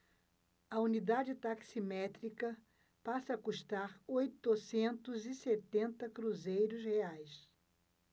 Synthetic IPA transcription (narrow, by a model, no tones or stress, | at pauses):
ɐunid̪ad͡ʒɪt̪aksimɛt̪ɾikɐ | pasɐːkuʃt̪aɾojt̪ʊsẽnt̪ʊziset̪ẽnt̪ɐkɾuzejɾʊsheajs